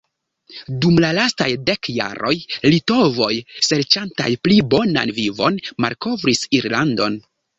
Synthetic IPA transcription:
dumlalastajde̞kja̰ɾʔo̞jlito̞vo̞jseɾt͡ʃanta̰jplibo̞na̰nvivo̞nma̰lko̞vɾisiɾlando̞̰n

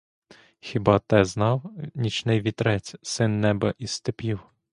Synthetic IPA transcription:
xʲibɑt̪ɛznɑwnʲit͡ʃnɪjʋʲit̪ɾɛt͡sʲsɪnːɛbɐʔist̪epʲiw

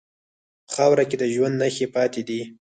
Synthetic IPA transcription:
pə̥xɑwɾaked̪əʒwand̪naxepɑt̪ed̪i

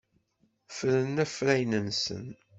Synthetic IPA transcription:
fɾənːæfɾæjnənsə̰n

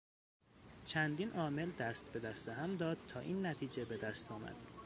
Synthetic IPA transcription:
t͡ʃʰænd̪iːnʔɒːme̞ld̪æst̪be̞d̪æst̪eɦæmd̪ɒːd̪̚t̪ʰɒːʔiːnːæt̪ʰiːd͡ʒebe̞d̪æst̪ʰɒːmæ̰d̪̥

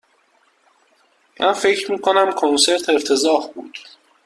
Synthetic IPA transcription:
mʔæ̰nfe̞cʰɾmiːkʰo̞næmkʰonse̞ɾt̪ʰe̞ɾt̪ʰe̞zɒːhbṵːd̪̥

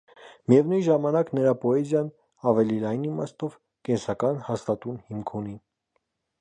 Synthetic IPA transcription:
mijɛvnujʒɑmɑnɑknəɾɑpɔɛzjɑn | ɑvɛlilɑjnimɑ̰st̪ɔv | kɛnsɑkɑnhɑst̪ɑt̪unhimkʰuni

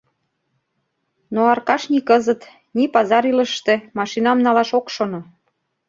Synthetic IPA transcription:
noɑrkɑʃnikɤzə̆t̪ | nipɑzɑɾilə̆ʃt̪ĕmɑʃinɑmnɑlɑʃokʃono

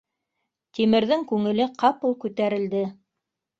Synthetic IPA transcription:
t̪imɘ̆ɾðɘŋkʉŋɘ̆lɘqɑpulˠkʉt̪æɾɘ̆ld̪ɘ

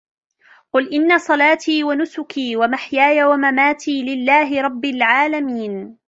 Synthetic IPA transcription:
qʊlʔɪnːasˤɑlɑːt̪iːwanʊsʊkiːwamaħjaːjawamamaːt̪ʰiːlɪlːaːɦɪɾˤɑbːalʕaːlamiːn

